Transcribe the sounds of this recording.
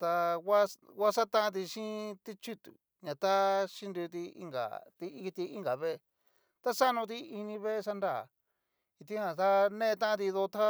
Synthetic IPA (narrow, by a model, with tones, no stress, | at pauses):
t̪a˧wa˦wa˦sa˦t̪ã˦˧t̪̬i˧ʃĩ˦t̪i˦t͡ʃi˦t̪u˨ | ɲã˨t̪a˦ʃi˦nd̪u˧t̪̬i˧ḭ˧ŋɡa̰˨t̪i˧i˧t̪i˧i˦ŋɡa˨βe˦˧ | t̪a˦sa˦nũ˧t̪̬i˧i˧nĩ˧βe˦˧sa˧nda˦˨ | i˧t̪ĩ˦hã˧a˦nẽ˦˧t̪ã˦ã˧t̪̬i˧ðo˧t̪ʰa˦